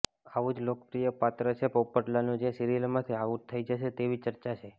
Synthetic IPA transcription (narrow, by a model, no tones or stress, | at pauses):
aʋud͡ʒlokəpɾijəpat̪ɾət͡ʃʰepəwpəʈlanũd͡ʒesiɾilmãt̪ʰiaʋut̪ʰːəid͡ʒəʃet̪eʋit͡ʃəɾt͡ʃat͡ʃʰe